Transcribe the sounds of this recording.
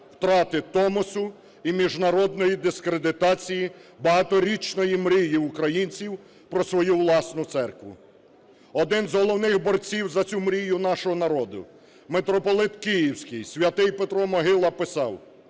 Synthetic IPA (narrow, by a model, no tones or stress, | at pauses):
wt̪ɾɑt̪ɪt̪ɔmɔsʊ | imʲiʒnɐɾɔd̪nɔjid̪ɪskɾed̪ɪt̪ɑt͡sʲijibɐɦɑt̪ɔɾʲit͡ʃnɔjimɾʲijiʊkɾɐjinʲt͡sʲiw | pɾɔsʋɔjuʋlˠɑsnʊt̪sɛrkʋʊ̰ | ɔd̪ɪnzɦɔlˠɔwnɪxbɔrt͡sʲiwzɐt͡sʲumɾʲijʊnɑʃɔɦɔnɐɾɔd̪ʊ̰ | met̪ɾɔpɔlˠɪt̪kijiwsʲkɪjsʲʋʲɐt̪ɪjpet̪ɾɔmɔɦɪlˠɐpɪsɑw